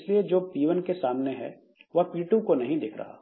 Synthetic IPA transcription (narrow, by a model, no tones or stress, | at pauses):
slied͡ʒoːpiːʋənkesaːmneɦɛ̰ː | ʋɐpiːʈukonɐɦĩd̪ɪːkʰɾɐ̰ɦa̰ː